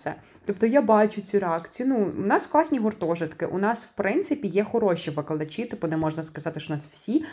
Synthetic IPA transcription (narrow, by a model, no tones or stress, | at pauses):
sɛ̰ | t̪ɔp̚t̪ɔjabɑt͡ʃʊt͡sʲiɾeɑkt͡sʲijʊnuṵnɑsklˠɑsʲnʲiɦɔrt̪ɔʒɪt̪kɪʔunɑswpɾɪnt̪sɪpʲijɛxɔɾɔʃiʋɪklˠɐd̪ɐt͡ʃʲit̪ɪp̚ʊnɛmɔʒnɐskɐzɑt̪ɪʃnɑswsʲi